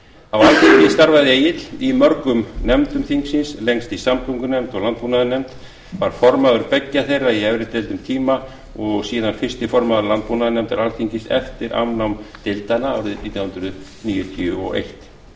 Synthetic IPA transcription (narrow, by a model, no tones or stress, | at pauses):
awalθiɲcɪst̪aɾvaðɪeːjɪt̪limœɾkʏmnɛmt̪ʏmθiŋksɪnsleŋst̪isamk̪uŋkʏnɛmt̪ɔɣlant̪̚puːnaðʏnɛmt̪ | vaɾ̥fɔɾmaðʏɾpɛcːaθejrːaiɛvɾɪt̪ːɪlt̪ʏmt̪ʰiːma | ɔɣsiːðanfɪr̥st̪ɪfɔɾmaðʏɾlant̪̚punaðɪnɛmt̪ɛɾalθiŋcɪsɛ̰ft̪ɪɾʔa̰wnawmt̪ɪlt̪anaːwɾɪðnit̪jawhʏnd̪ɾʏðniːjʏt̪ʰʏɔ̰ḛjht̪